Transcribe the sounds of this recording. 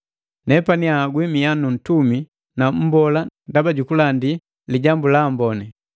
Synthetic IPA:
nɛpaniaɡwimijanun̩tumi | nam̩bɔlandabaɟukulandi | liɟambulambɔnɛ

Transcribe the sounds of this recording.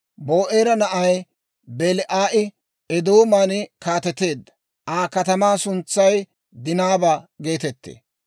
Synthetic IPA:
bo̞ːʔeːɾɐnɐʔɐj | bɛlɪʔaːʔɪ | ɛd̪oːmaːnɪkaːt̪ɛt̪e̞ːd̪ːɐ̥ | aːkɐt̪ɐmaːsʊnt͡sːɐj | d̪ɪnaːbaɡe̞ːt̪ɛt̪ːḛː

